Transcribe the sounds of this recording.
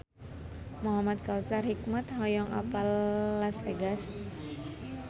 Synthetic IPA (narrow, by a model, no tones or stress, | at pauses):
muɦamat̪̚kalsarhik̚mat̪ɦɔjɔŋʔa̰palːaseɡas